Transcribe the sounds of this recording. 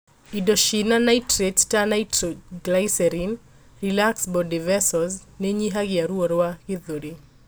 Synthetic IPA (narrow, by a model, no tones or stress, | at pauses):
idɔʃinanaitɾettanajtɾɔɡlajsɛɾin | rilaksbɔdivɛsɔz | neɲiɦaɡɪaɾuɔɾwakɪðoɾi